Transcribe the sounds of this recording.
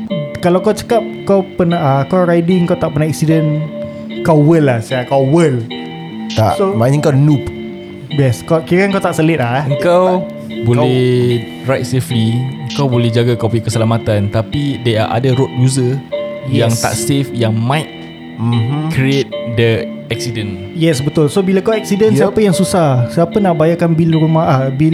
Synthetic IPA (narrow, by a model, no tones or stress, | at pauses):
kalawkawt͡ʃə̥kap̚kawpənaakawɾajdiəŋkawt̪aʔpənãɛksidən | kawəlahsaakawwəl | t̪a̰ʔsomaəŋkanup | bɛskakikaŋkawt̪aʔsəlet̪̚laəŋkaw | bolɛh | rajt̪̚sefliəŋkawbolɛd͡ʒaɡakɔfikəsəlamat̪ant̪apidea̰ʔa̰dəɾot̚juzəjjaŋt̪a̰ʔsefjaŋmajt̪̚ | m̩m̩kɾiet̪̚də | ɛk̚sidən | jɛsbət̪ʊlsobilakawɛk̚sidənsiapajaŋsusahsapanaʔbajakanbilɾumaabi